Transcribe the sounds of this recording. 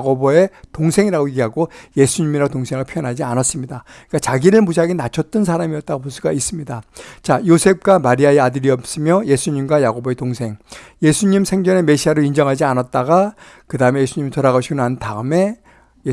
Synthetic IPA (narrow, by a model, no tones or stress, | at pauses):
ɡobʌe̞toŋsʰe̞ŋiɾaɡoeɡiɦaɡoje̞sʰuɲimiɾatoŋsʰeŋɡapʰjʌjʌnɦad͡ʑianas͈ɯmɲida | k͈at͡ɕaɡiɾɯɭmus̬ʰaɡinat͡ɕʰʌt͈̚ɯnsʰaɾamiʌt̚t͈aɡopos͈ʰuɡais͈ɯmɲidat͡ɕajosʰe̞p̚k͈wamaɾiaeadɯɾiʌp̚s͈ɯmjʌje̞sʰuɲimɡwajaɡoboe̞toŋsʰe̞ŋje̞sʰuɲimsʰe̞ŋd͡ʑʌne̞me̞ɕʰiɦaɾoind͡ʑʌŋɦad͡ʑianat̚t͈aɡakɯdaɯme̞je̞sʰuɲimitʌɾaɣaɕʰiɡonnantʰaɯme̞